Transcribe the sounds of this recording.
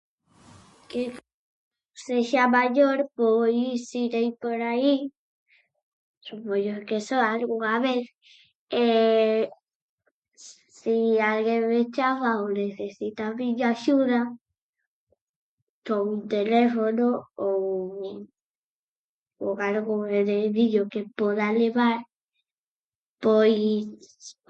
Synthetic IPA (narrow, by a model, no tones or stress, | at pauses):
ke | seʃamaʎoɾpojsiɾejpoɾai | supoɲokesoalɣuŋaβeθ | e | sialɣeβet͡ʃaβaoneθesit̪aβiʎaʃuða | t̪ount̪elefonoo | oalɣoβeðeðiʎokepoðaleβaɾ | poj